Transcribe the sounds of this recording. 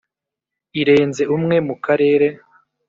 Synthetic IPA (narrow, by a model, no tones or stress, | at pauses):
iɾe̞ːnze̞umŋe̞mukaɾe̞ːɾe